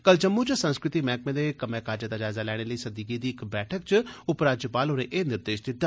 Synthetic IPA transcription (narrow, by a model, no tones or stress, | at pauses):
kəld͡ʒəmːut͡ʃsə̃nskɾɪt̪iːmɛ̃ːk̚mẽːd̪eːkəmẽːkaːd͡ʒət̪ad͡ʒaːzaːlɛːɽ̃eləiːsɐd̪iːk̬ed̪iːɪkbɛːʈʰəkt͡ʃʊpɾaːd͡ʒəpaːlɦoːɾeʔeːnɪɾd̪eːʃd̪ɪt̪ːaː